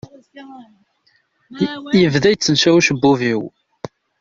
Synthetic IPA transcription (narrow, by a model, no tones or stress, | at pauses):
jəvðæjt͡sːənʃæwʃbːuviw